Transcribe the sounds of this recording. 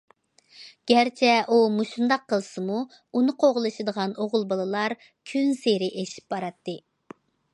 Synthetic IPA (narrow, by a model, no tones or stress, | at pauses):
ɡ̥ʲæɾt͡ʃʰɛʔumuʃund̪ɑqʰːəlˠsɨmu | unɨqʰoʁəlˠɨʃɨd̪əʁɑnoʁʊlˠbɑlˠɨlˠɑɾ | kʲʰynseɾɪʔeʃi̥p̚bɑɾɑt̪ːɨ